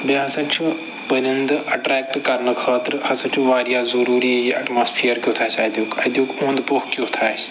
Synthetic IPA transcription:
baɦɐsɐt͡ʃʰu | pəɾind̪ɨʔɐʈɾɛːk̚ʈkɐɾnɨkʰəːt̪ɾhɐsɐt͡ʃʰuʋaːɾijaːzɐɾuːɾiːjiʔɐ̰ʈmaːspʰijəɾkʲjoːt̪ʰaːsaːd̪juːkɐd̪juːkũːnd̪pohkʲjoːt̪ʰaːs

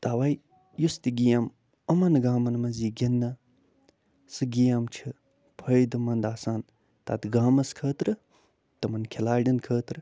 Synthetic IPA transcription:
t̪aːʋɐj | just̪iɡijam | ɐmɐnɡaːmɐnmɐziːɡʲɐnːɐ | sɨɡijamt͡ʃʰi | pʰɐjd̪ɨmɐnd̪aːsaːn | t̪a̰ːt̪ɡaːmɐskʰəːt̪ɾɨ | t̪ɐmɐnkʰelaːɖinkʰəːt̪ɾɨ

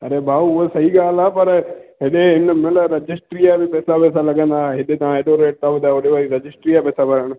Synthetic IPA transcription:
ɐɾebʱaːuʊɦesɐɦiɡaːl̤aːpɐɾɦeɗeɦɪnəmɪləɾɐd͡ʒɪsʈɾijabɪpɛːsapɛːs̬alɐɡə̃nd̪aːeɦɪɗet̪ɐʋ̤ãeːɗoɾeːʈ̚t̪aɦʊaːoɗeʋaiɾɐd͡ʑɪsʈɾijapɛːsapɐɾəɽ̃

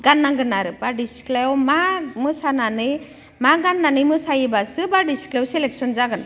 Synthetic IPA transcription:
ɡanːaŋɡɯnaɾɯpaɖisi̥klewmamɯsananɯ | maɡanːanɯmɯsajibasɯbaɖisi̥klewselek̚sɔnzaɡɯna

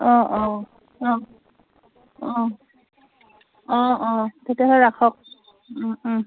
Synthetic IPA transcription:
ɔ̃ʔɔ̃ | ɔ̃ | ɔ̃ | ɔ̃ɔ̃tetjaɦɔɹakʰɔk̩̚

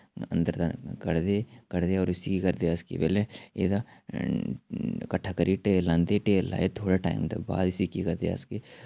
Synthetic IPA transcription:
ɐ̰̃nd̪əɾd̪akɐɾd̪ekɐɾd̪eɔːɾɪsikikɐɾd̪easkḛbeleḛd̪a | kɐʈʰakəɾiʈelɐ̃nd̪eʈela̰ːet̪ʰoːɽaʈa̰ːɪmd̪ɐ̰ba̰ːd̪ɪsikikɐɾd̪ḛa̰ske

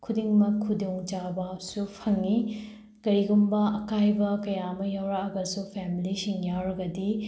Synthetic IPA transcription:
kʰudiŋmɐkʰuduŋd͡ʒabasupʰɐŋːi | ɡ̥ɐɾiɡumbɐɐkajbɐkɐjamɐjawɾaɐɡɐsupʰemilisiŋjawɾɐɡɐdi

